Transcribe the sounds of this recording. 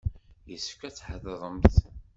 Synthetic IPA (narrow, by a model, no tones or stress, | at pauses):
jəsəfkæt͡sːħəðəðˤəmθ